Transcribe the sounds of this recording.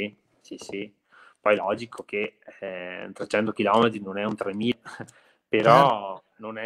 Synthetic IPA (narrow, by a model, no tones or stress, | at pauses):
i | sisi | pɔjlɔːd͡ʒikʰoke | t̪ɾet͡ʃɛnt̪ok̟ilɔmet̪ɾinonɛunt̪ɾemiː | peɾɔ | nonɛ